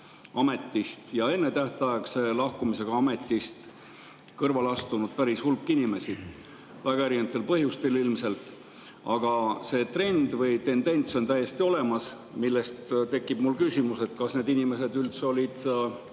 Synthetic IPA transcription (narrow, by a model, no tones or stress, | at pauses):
ɑme̞t̪ːist̪jɑe̞nːe̞t̪æht̪ɑjekse̞lɑhkumise̞ɡ̥ɑɑme̞t̪ːˑist̪ | kɤrvɑlɑst̪unud̪̥̚pæɾishulkːˑinime̞si | væɡɑeɾinet̪ːˑe̞lpɤɦjust̪e̞lilmse̞lt̪ˑ | ɑɡ̥ɑse̞ːt̪re̞nd̪vɯjt̪e̞nd̪e̞nʲt̪so̞nt̪æjːe̞st̪io̞le̞mɑs | milːe̞st̪t̪e̞kːˑib̥mulkysimuse̞t̪kɑsne̞ːd̪inime̞se̞d̪ylt̪so̞lʲid̪̥